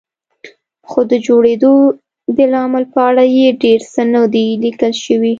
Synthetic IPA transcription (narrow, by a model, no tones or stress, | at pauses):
xod̪əd͡ʒoɽed̪o | d̪əlɑməlpəaɽajeɖeɾsənad̪elikəlʃəwi